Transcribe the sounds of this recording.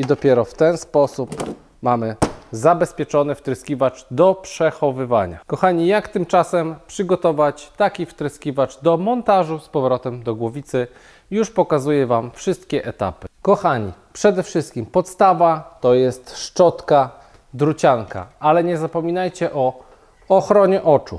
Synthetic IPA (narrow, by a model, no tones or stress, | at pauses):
id̪ɔpʲjɛɾɔft̪ɛnspɔsup | mamɘzabɛspʲjɛt͡ʂɔnɘft̪ɾɘskʲivat͡ʂd̪ɔpʂɛxɔvɘva̰ɲa̰kɔxaɲijakt̪ɘmt͡ʂasɛmpʂɘɡɔt̪ɔvat͡ɕt̪akʲift̪ɾɘskʲivat͡ʂd̪ɔmɔnt̪aʐuspɔvɾɔt̪ɛmd̪ɔɡwɔvʲit̪sɘ | juʂpɔkazujɛvamfʂɘst̪̚kʲɛʔɛt̪a̰pɘkɔxaɲḭpʂɛd̪ɛfʂɘst̪̚kʲimpɔt̪st̪avat̪ɔjɛst̪ʂt͡ʂɔt̪ka | d̪ɾut͡ɕaŋka̰alɛɲɛzapɔmʲinajt͡ɕɛʔɔ | ɔxɾɔɲɛʔɔt͡ʂṵ